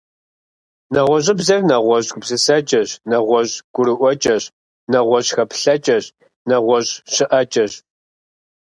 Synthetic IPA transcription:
nɐʁʷɔʑʼɪbzɐrnɐʁʷɔʑɡʊbzɨsɐt͡ʃʼɐɕnɐʁʷɔʑɡ̥ʷʊɾɨʔʷɔt͡ʃʼɐɕ | nɐʁʷɔʑxɐpɬɐt͡ʃʼɐɕ | nɐʁʷɔʑɕɪʔɐt͡ʃʼɐɕ

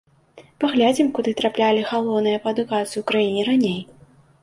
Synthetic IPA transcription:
paɣlʲad͡zʲimkud̪ɨt̪ɾaplʲalʲixalˠɔwnɨjɐpɐɐd̪ukat̪sɨjuːkɾajinʲiɾanʲej

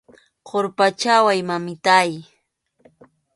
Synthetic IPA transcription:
qoɾpat͡ʃawajmamɪt̪aj

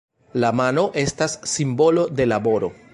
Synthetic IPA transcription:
lamano̞ʔe̞stasːimbo̞lo̞de̞labo̞ɾo̞̰

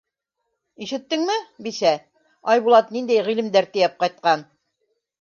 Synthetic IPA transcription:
iʃɘ̆t̪ːɘŋmɘbisæ | ɑjβulˠɑt̪nind̪æjʁilɘ̆md̪æɾt̪ɘ̆jæp̚qɑjt̪̚qɑn

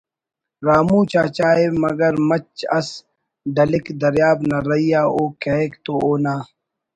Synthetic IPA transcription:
ɾaːmũːt͡ɕaːt͡ɕaːeːmɐɡɐɾmɐt͡ʃɐ̰s | ɖ̪ɐlɪkd̪ɐɾjaːbnɐɾɐijaːoːkɐeːkt̪ooːnaː

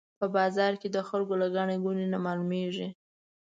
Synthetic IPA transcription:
pəbɑzɑɾked̪əxalɡolaɡaɳeɡunenamɑlumeʐi

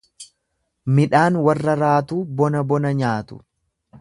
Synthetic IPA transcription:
mɪᶑaːnwɐrːɐɾaːt̪uːbɔnɐbɔnɐɲaːt̪ʊ̥̰

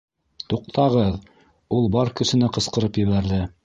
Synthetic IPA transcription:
t̪uq̚t̪ʰɑʁɤð | ulˠbɑɾkɵ̆sɘ̆nɘqɤ̆sqɤ̆ɾɤpjɘ̆βæɾðɘ

